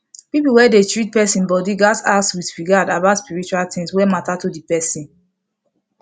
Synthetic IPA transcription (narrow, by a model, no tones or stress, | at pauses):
pipuwɛdetɹit̚pɛsĩnbɔdiɡataswidɹiɡadabaʊtspiɹit͡ʃualtĩŋswɛmatatudipɛsĩn